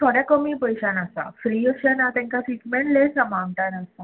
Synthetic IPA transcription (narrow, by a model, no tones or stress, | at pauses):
t̪ʰɔɽjakəmiːpəjɕanasa̰fɾiəɕənat̪ɛ̃ŋkasiʈmeɳʈlesəmãnt̪anasa